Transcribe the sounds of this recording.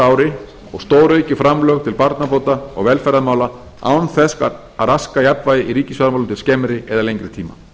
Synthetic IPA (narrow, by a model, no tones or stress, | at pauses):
aːwɾɪ | ɔ̰ɣst̪oːwɾœɥcʏfɾamlœɣt̪ʰɪlpaɾt̪napoːwt̪aɔ̰ɣvɛːlfɛɾaðmaːwla | a̰ːwnθɛsk | aɾaskajapnvaːjðɪʔiɾiːcɪsvaɾamawlʏnt̪ɪlscɛːmɾɪɛðalejŋkɾɪ̥t̪ʰiːma̰